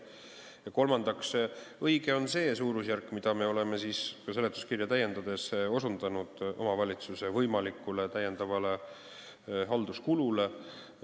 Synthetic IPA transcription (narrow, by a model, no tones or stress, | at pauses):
jɑko̞lmɑnd̪̥ɑksɤjɡ̥e̞o̞nse̞ːsuːɾusjærkːˑmid̪̥ɑme̞o̞le̞me̞siːskɑse̞let̪ːˑuskirjɑt̪æjːe̞nd̪̥ɑd̪̥e̞so̞sund̪̥ɑnud̪̥ʔo̞̰mɑvɑlʲit̪suse̞vɤjmɑlikːˑule̞t̪æje̞nd̪ɑvɑle̞ | ɦɑld̪̥uskulule̞